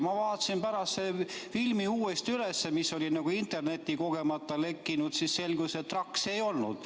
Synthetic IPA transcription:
mɑvɑːt̪ːˑɑsinpæɾɑst̪ːsefilmiuːest̪yle̞sːemiso̞lʲinɑɡ̥uint̪e̞rne̞t̪ʲːˑiko̞ɡ̥e̞mɑt̪ːˑɑle̞kːinud̪̥sisːe̞lɡuset̪ːrɑkse̞jo̞lnud̪̥

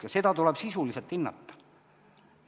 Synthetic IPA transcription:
jɑse̞d̪ɑt̪ulɛb̥sisuliselt̪ːinːɑ̰t̪ːɑ̥

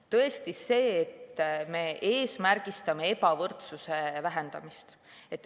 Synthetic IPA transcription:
t̪ɤ̞est̪ise̞ːt̪ːme̞ʔe̞ːsmærɡ̥ist̪ɑme̞e̞pɑvɤrt̪suse̞væɦe̞nd̪̥ɑ̰mist̪ | e̞t̪ːˑ

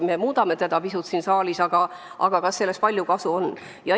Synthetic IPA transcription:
me̞muːd̪̥ɑme̞t̪ed̪̥ɑpisut̪sinsɑːlisɑɡ̥ɑ | ʔɑ̰ɡ̥ɑkɑsːelːe̞spɑlʲjukɑsuonː | jɑ

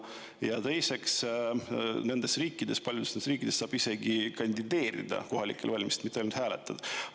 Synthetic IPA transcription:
jɑt̪e̞jse̞ks | ne̞nd̪̥e̞sriːkːˑid̪̥e̞spɑljud̪esnesriːkːˑid̪̥e̞sːɑːb̥ise̞ɡikɑnʲd̪id̪e̞ːɾḭd̪̥ɑ̰ko̞ɦɑlḭkːˑe̞lvɑlʲmise̥t̪mit̪ːˑolnud̪hæːlet̪ːˑɑd̪̥

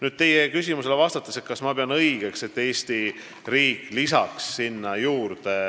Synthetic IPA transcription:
nyd̪̥̚t̪e̞jekys̬ʲimuse̞levɑst̪ɑt̪ːˑɑse̞t̪kɑsmɑpeɑnɤjɡ̥e̞kse̞t̪ːe̞ːst̪i | riːkːˑlis̬ɑksːinːɑjuːɾd̪̥e

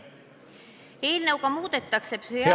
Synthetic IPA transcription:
eːlnewkɑmuːt̪et̪ːɑksepsyj

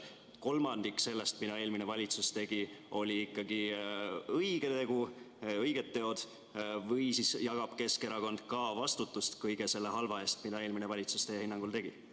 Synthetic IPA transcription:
ko̞lmɑnd̪̥ikse̞lːest̪mid̪ɑe̞ːlmine̞vɑlʲit̪sust̪e̞ɡ̥io̞lʲiikːˑɑɡ̥i | ɤjɡ̥et̪e̞ɡ̥u | ɤjɡ̥e̞t̪ːe̞o̞d̪̥ | vɤjsisjɑɡ̥ɑb̥ke̞skeɾɑko̞nd̪̥kɑvɑst̪ut̪ːˑust̪kɯjɡ̥e̞se̞lːe̞ɦɑlvɑe̞ːst̪mid̪ɑeːlminevɑlʲit̪su̥st̪eːhinːɑŋɡ̥ult̪e̞ɡ̥i

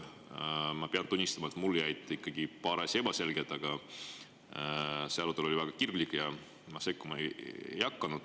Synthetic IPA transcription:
mɑpeɑnt̪unʲːist̪ɑmɑet̪mulːjæjt̪ːˑikːˑɑɡ̥ipɑːɾese̞b̥ɑse̞lɡ̥et̪ːˑɑɡ̥ɑ | seɑɾut̪ːˑelolʲivæɡ̥ɑkirɡlikːˑjɑ | mɑse̞kːˑumɑejḛjɑkːˑɑnud̪̥

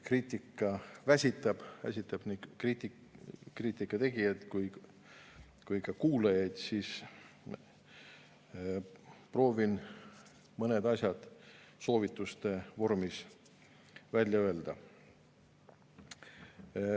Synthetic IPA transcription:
kriːt̪ʲˑikːˑɑvæsʲit̪ːˑɑb̥væ̰sʲit̪ːˑɑb̥nikrit̪ikriːt̪ʲˑːikːˑɑt̪e̞ɡijɑd̪̥kuj | kujkɑkuːlejɑjd̪̥siːs | pro̞ːvin | mɤned̪̥ɑsʲjɑd̪̥so̞ːvit̪ːˑust̪e̞vo̞rmis | vælʲjɑø̞e̞ld̪̥ɑ

